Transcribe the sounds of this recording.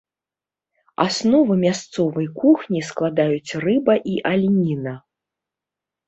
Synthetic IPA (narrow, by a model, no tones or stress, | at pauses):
a̰snɔvɨmʲast̪sɔvɐjkuxnʲisklˠad̪ajut͡sʲrɨbɐʔiʔalʲnʲinɐ